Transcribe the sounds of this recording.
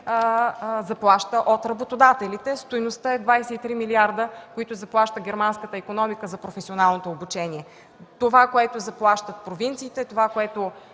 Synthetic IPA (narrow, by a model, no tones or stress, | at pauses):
zɐplˠaʃt̪əʔot̪ɾɐbot̪od̪at̪ɛlit̪ɛst̪ojnost̪əɛd̪vajsɛit̪ɾimiliaɾd̪əkoit̪ʊzɐplˠaʃt̪əɡʲɛɾmanskət̪əikonɔmikəzɐpɾofɛsionalˠnot̪oːbut͡ʃɛnʲiɛ | t̪ovakoɛt̪ozɐplˠaʃt̪ət̪̚pɾovint̪siːt̪ɛt̪ovakoɛt̪o